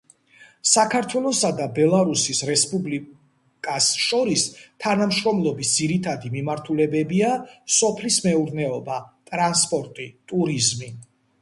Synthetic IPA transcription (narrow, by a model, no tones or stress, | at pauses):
sakʰaɾt̪ʰwɛlˠɔsad̪abɛlˠaɾusisɾɛspʼubli | kʼasʃɔɾist̪ʰanamʃɾɔmlˠɔbisd̪ziɾit̪ʰad̪imimaɾt̪ʰulɛbɛbiasɔpʰlismɛuɾnɛɔbat̪ʼɾanspʼɔɾt̪ʼit̪ʼuɾizmi